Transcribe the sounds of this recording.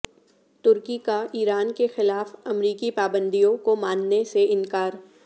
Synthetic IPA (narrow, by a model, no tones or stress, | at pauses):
t̪ʊɾkikaiːɾaːnkexɪlaːfɐmɾiːkipaːbə̃nd̪ijõkomaːnːeseɪnkaːɾ